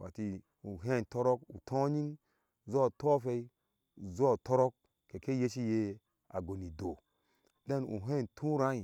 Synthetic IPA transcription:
wa̰˨ti˧ | u˨ɦe˦˨ntɔ˦ɾɔ˦kṵ˨tʰɔ̃˦ɲi˦ŋ | zɔ˦˨tɔ˦fe˧i˦˨ | zɔ˦˨tɔ˦ɾɔ˦k̚ | ke˨ke˦je˦t͡ʃi˦je˧ | a̰˨ɡo˨ni˨do˨ | de˦nṵ˨ɦe˦˨ntʰũ˦ɾã˦i˨

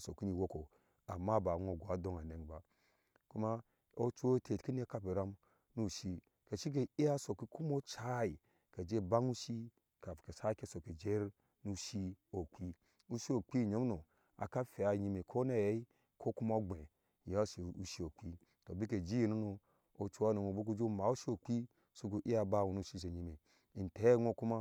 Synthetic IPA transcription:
so˨ki˦ni˨wo˦ko˨ | a˨mːa˦˨ba˨ŋo˨ɡo˨a˨do˦ŋa˨ne˨ŋba˨ | ku˦ma˦ | o˦t͡ʃo˦tʰe˨tki˦ni˦ka˦pi˨ɾa˦m | nu˦˨ʃi˦ | ke˨ʃi˦k̬e˨i˦a˦so˨ki˦ku˦mo˦t͡ʃa˦i˨ | ka˨d͡ʒe˦ba˦ŋu˦ʃi˦ | ka˨fke˨sa˦ke˦so˨ki˨d͡ʒe˦ɾ | nu˦ʃi˦o˨k͡pi˦ | u˦ʃi˦o˨k͡pi˦˨ɲo˨˦m˦no˨ | a̰˨ka˦fe˨a˨ɲi˨me˨kʰo˦ne˦˨je˦i˦ | kʰo˦ku˦ma˦o˦ɡ͡be˨ | ja˦ʃi˨u˦ʃi˦o˨k͡pi˦ | to˨bi˦k̬e˨d͡ʒi˦ji˨nu˦no˨ | o˨˦t͡ʃu˦a˦no˨ŋo˨bo˦k̬u˦d͡ʒo˦ma˨˦u˦ʃi˦o˨k͡pi˦ | su˦k̬u˨ʔi˦a˨ba˦˨wu˨nu˦˨ʃi˦ʃ̬e˨ɲi˨me˨ | i˨n˨te˨˦ŋ˦o˦˨ku˦ma˦

